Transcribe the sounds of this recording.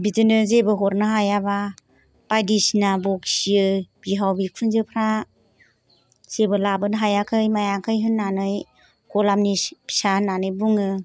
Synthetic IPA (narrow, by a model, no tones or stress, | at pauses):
bizɯnɯzebɯɦɔɾnɯɦajaba | b̥ajdisnabɔksiɯb̥iɦawbikʰunzɯpʰɾa | sebɯlabɯnɦajakʰɯjmajakʰɯjɦɯnːanɯj | kɔlamnipʰi̥sananɯjbuŋɯ